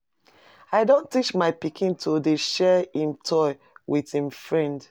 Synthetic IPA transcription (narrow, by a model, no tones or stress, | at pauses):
aɪdõntit͡ʃmaɪpikʰĩntʰodeʃɛĩmtʰɔɪ | wʔiðĩmfɹɛ̃nd